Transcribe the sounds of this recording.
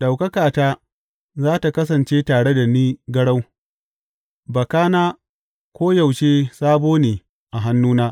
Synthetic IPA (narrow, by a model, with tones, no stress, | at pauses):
da˨wkɐ˦kaː˨taː˦ | zaː˦ta˨kɐ˦s̬ɐ˨nt͡ʃeː˦taː˨ɽe˦da˨niː˦ɡɐ˦ɽa˦w | bɐ˨kaː˦naː˦ | kʷoː˦ja˨wʃeː˦saː˦boː˦neː˨ | ʔa˨ɦa˦nːuː˦naː˦